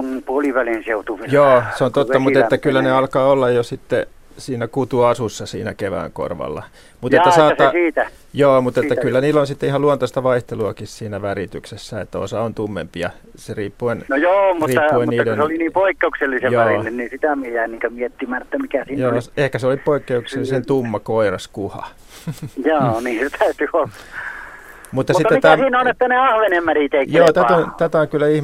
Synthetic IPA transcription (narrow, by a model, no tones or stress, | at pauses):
nmpuoliʋælinseut̪uʋijoːseont̪ot̪ːɑmueːækylːæneɑlkɑːolːɑjjosit̪ːe | siːnækut̪uɑsusːɑsḭːnæ̰keʋæ̰ːŋko̰rʋɑ̰lːɑ̰ | mut̪eːæsɑːsɑsiːt̪æ | joːmut̪et̪ːækylːæniːlːonsit̪ːeihɑluɑnt̪ost̪ɑʋɑiht̪eluɑkissiːnæʋærit̪yksesːæet̪ːæo̰sɑont̪umːḛmpiɑ̰ | seriːpːuennojoːmurːt̪ːɑuenunːɑlunseoliniːmpoikːeukselːisejoʋærinːennisit̪æmiejæiniːŋkømiet̪ːimænet̪ːæmikæsiːnjoːsehkæseolippoikːeukselːisent̪umːɑkoirɑskuhɑ̰ | joːniːset̪ʰæyt̪yolːɑ | mut̪ːɑmsit̪ːɑːeit̪æːsinonet̪ːæneɑhʋenemmærit̪ekjoːt̪æont̪æt̪æoŋkylːæih